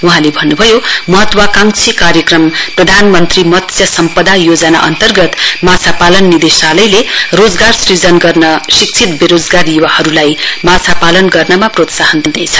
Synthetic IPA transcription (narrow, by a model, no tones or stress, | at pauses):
uɦãlebʱʌnːubʱʌjomʌɦʌt̪wakaŋt͡sʰikaɾjʌkrʌmprʌd̪ʱanmʌnt̪rimʌt̪jʌsʌmpʌd̪ʱajod͡zʌna̰ʔʌ̰nt̪ʌrɡʌt̪mat͡sʰapalʌnːid̪esalʌjlerod͡zɡarsrid͡zʌnɡʌrnʌsik̚t͡sʰit̪̚beɾod͡zɡarjuwahʌɾulajmat͡sʰapalʌnɡʌrnʌmaprot̪saɦʌnd̪id̪et͡sʰʌ̥